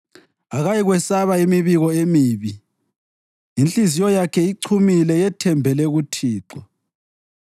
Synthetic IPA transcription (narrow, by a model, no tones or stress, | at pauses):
aɣajiɣwɛsaβaimiβiɣɔemiːβi | int͡ɬʼizijɔjakʰɛiǀʰumilɛjɛtʰɛmbʱɛlɛɣutʰiːǁɔ